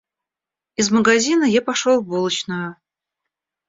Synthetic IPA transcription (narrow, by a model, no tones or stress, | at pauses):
ɪzməɡɐzʲinəjapɐʂolˠbolˠət͡ɕnəjʊ